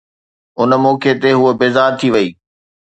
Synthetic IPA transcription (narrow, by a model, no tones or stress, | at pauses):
ʊnə̆mɔːkʰet̪eɦuəbeːzaːɾt̪ʰiʋɐiː